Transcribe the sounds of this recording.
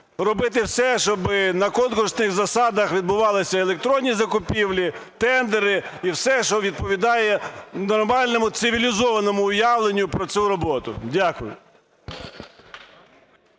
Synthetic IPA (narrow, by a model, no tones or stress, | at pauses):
rɔbɪt̪ɪwsɛʃɔbɪnɐkɔnkʊrsnɪxzɐsɑd̪ɐxʋʲid̪bʊʋɑlˠɪsʲɐelˠek̚t̪ɾɔnʲːizɐkʊpʲiwlʲit̪ɛnd̪eɾɪiwsɛʃɔʋʲid̪̚pɔʋʲid̪ɑjɛnɔrmɑlʲnɔmʊt̪sɪʋʲilʲizɔʋɐnɔmʊʊjɑʋlˠenʲːʊpɾɔt̪sʲuɾɔbɔt̪ʊ̰dʲakʊjʊ̰